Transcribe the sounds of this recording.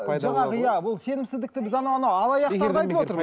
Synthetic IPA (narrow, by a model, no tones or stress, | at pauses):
ʒɑɴɑʁəjæbʊlˠse̞nɪmsɪzd̪ɪk̚t̪ɪbɪzɑnɑwɑnɑwɑlˠɑjɑqeɾɑjt̪əwot̪əɾ